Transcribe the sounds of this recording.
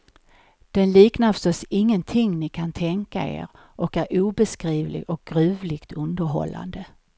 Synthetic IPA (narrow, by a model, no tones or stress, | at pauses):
d̪̥ɛnliːknafœ̥st̪ɔsɪŋːənt̪ʰɪŋːnɪkʰant̪ʰɛŋka̰ḛːɾ | ʔɔkæɾuːbɛskɾiːvlɪ̰ɡɔk̚ɡ̥ɾʉ̟ːvlɪɡ̥t̪ʰɵnd̪əɾɦɔ̰lːa̰nd̪ə